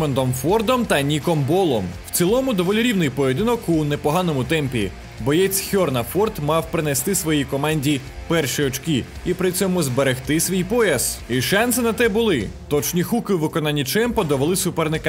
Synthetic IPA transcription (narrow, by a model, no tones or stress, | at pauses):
end̪ɔmfɔrd̪ɔmt̪ɐnʲikɔmbɔlˠɔmw̥̪t͡sʲilˠɔmʊd̪ɔʋɔlʲiɾʲiwnɪjpɔjed̪ɪnɔkunepɔɦɑnɔmʊt̪ɛmpʲi | bɔjɛt͡sʲxʲɔrnɐfɔrt̪mɑwpɾɪnɛst̪ɪsʋɔjikɔmɑnʲdʲi | pɛrʃiɔt͡ʃkʲiipɾɪt͡sʲɔmʊzbeɾext̪ɪsʲʋʲijpɔjɐsiʃɑnsɨnɐt̪ɛbʊlˠɪt̪ɔt͡ʃnʲixukɪwʋɪkɔnɑnʲːit͡ʃɛmpɔd̪ɔʋɔlˠɪsʊpɛrnɪkɐ